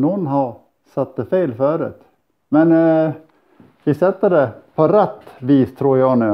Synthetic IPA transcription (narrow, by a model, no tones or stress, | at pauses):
nɔnːɦɑɾ | sat̪̚d̪ɛfeːlfœːɾʉ̰ːt̪ | mɛn | vɪsɛt̪ːəɖɛpʰɔɾɛt̪ːviːst̪ʰɾuːɾjɑːnʉ